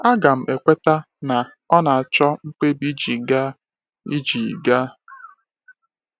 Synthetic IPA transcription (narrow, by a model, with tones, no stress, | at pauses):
a˦ɡa˨m̩˨ʔe˨kʷe˦ta˦ | na˨ | ɔ˦na˨a˨t͡ʃɔ˦ŋ͡m̩˦k͡pe˦bi˦d͡ʒi˨ɡa˦ | i˦d͡ʒi˨ɡa˦